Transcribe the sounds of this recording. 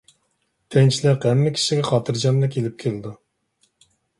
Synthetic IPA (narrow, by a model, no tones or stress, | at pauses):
t̪ʰent͡ʃʰilɪqɦɛmːɪkʲʰi̥ʃiɡʲɛχɑːt̪ʰɨɾd͡ʒɑmlɛkʲʰelɪp̚kʲʰelɪd̪u